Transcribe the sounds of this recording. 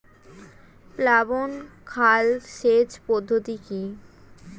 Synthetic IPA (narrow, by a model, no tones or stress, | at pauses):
plabonkʰalʃed͡ʑpɔd̪ʱːot̪iki